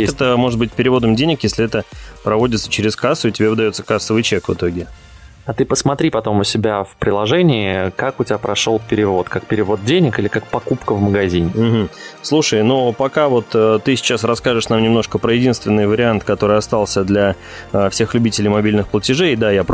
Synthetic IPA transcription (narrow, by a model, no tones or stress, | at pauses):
t̪əmo̞ʐɨt̪̚bɨtʲpʲɪɾʲɪvo̞d̪əmdʲenʲɪkjesʲlʲɪɛt̪əpɾɐvo̞dʲɪt̪sə̥t͡ɕɪɾʲɪskasːʊɪtʲɪbʲevɨd̪ɐjo̞t̪səkasːəvɨjt͡ɕekvɨ̰t̪o̞ɡʲɪ | ɐt̪ɨpəsmɐt̪ɾʲipɐt̪o̞mʊsʲɪbʲafpɾʲɪlˠɐʐɛnʲɪːkakʊtʲɪbʲapɾɐʂolˠpʲɪɾʲɪvo̞t̪kakpʲɪɾʲɪvo̞d̪̚dʲenʲɪkɨlʲɪkak̚pɐkupkəvməɡɐzʲinʲm̩ɦm̩slˠuʂəjnupɐkavo̞t̪ət̪ːɨsʲɪ̥t͡ɕasrɐskaʐɨʂnamnʲɪmno̞ʂkəpɾəjɪdʲinst̪vʲɪnːɨjvəɾʲɪant̪kɐt̪o̞ɾɨɐst̪alˠsʲəd̪lʲa | fsʲe̞xlʲʉbʲitʲɪlʲɪjmɐbʲilʲnɨxplˠətʲɪʐejd̪ajap